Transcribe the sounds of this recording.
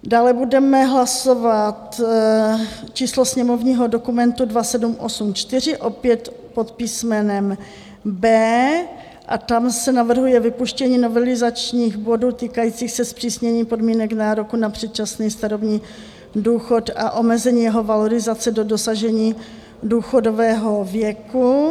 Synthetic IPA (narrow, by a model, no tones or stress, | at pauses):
daːlɛbudɛmɛɦlaso̞vat̪ | t͡ʃiːslosɲɛmo̞vɲiːɦo̞do̞kumɛnt̪udvasɛdumʔo̞̰sumt͡ʃt̪ɪr̝ɪʔo̞pjɛt̪ | po̞t̪piːsmɛnɛm | bɛː | ʔat̪amsɛnavr̩ɦujɛvɪpuʃcɛɲiːno̞vɛlɪzat͡ʃɲiːxbo̞duːt̪iːkajiːt͡siːxsɛspr̥iːsɲɛɲiːpo̞dmiːnɛknaːɾo̞kunapr̝̥ɛt̪̚t͡ʃasniːst̪aɾobɲiː | duːxo̞t̪aʔo̞mɛzɛɲiːjɛɦo̞valoɾɪzat͡sɛdo̞do̞saʒɛɲiː | duːxo̞do̞vɛːɦo̞vjɛku